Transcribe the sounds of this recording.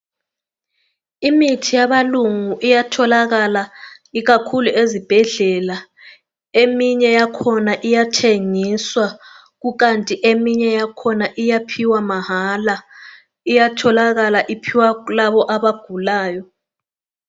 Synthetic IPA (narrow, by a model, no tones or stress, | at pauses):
imitʰijaβaluŋuʔijatʰɔlaɣala | iɣakʰuluʔezib̥ʱɛɮɛla | emiɲɛjakʰɔnaʔijatʰeŋiswa | ɣuɣantʼiʔemiɲɛjakʰɔnaʔijapʰiwamaɦala | ijatʰɔlaɣalaʔipʰiwalaβɔʔaβaɡ̥ʱulaːjɔ